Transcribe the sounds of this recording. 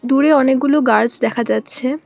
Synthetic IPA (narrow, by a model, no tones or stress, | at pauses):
d̪uɾeɔnek̚ɡuloɡaɾd͡ʑd̪ɛkʰad͡ʑatːɕʰe